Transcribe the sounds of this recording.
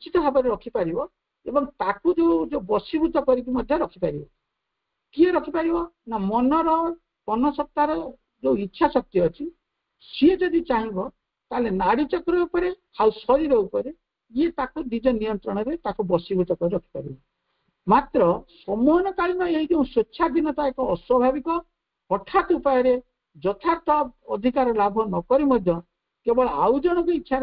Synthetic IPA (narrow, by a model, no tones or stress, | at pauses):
t͡ʃit̪ɔɦabɔɾeɾɔkʰipaɾibɔ | ebɔŋt̪akud͡ʒeud͡ʒebɔsibud̪ʱɔkɔɾikimɔd̪ʱjɔɾɔkʰipaɾibɔ | kieɾɔkʰipaɾibɔnamɔnɔɾɔ | kɔnɔsɔp̚t̪aɾɔ | d͡ʒewitːʃʰasɔk̚t̪iɔt͡ʃʰi | sied͡ʒɔd̪it͡ʃaɦĩbɔ | t̪aɦlenaɽit͡ʃɔkɔɾɔbapɔɾekʰawsɔɾiɾɔupɔɾe | iet̪akunid͡ʒɔnijɔnt̪ɾɔɽ̃ɔɾet̪akubɔsibɔt͡ʃɔkɔeɾɔkʰi̥kɔɾibɔ | mat̪ɾɔsɔmɔɦɔnɔkaɭinɔeɦid͡ʒeũsotːʃʰad̪inɔt̪aekɔːswɔbʱabikɔ | hɔʈʰat̪upajɔɾe | d͡ʒɔt̪ʰat̪ɔbɔd̪ʱikaɾɔlabʱɔnɔkɔɾimɔd̪ʱjɔ | kebɔɭɔawd͡ʒɔɽ̃ɔkuitːʃʰaɾ